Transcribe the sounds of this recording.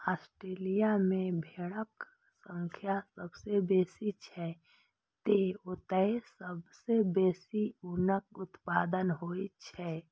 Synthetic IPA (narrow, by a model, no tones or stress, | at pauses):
aːsʈɾeːlijamẽbʱeːɽək | sə̃ŋkʰjasəbsebeːsit͡ʃʰɛ | t̪eʊt̪əesəbsebeːsiʊnək̚ʊt̪paːd̪ənɦoit͡ʃʰɛ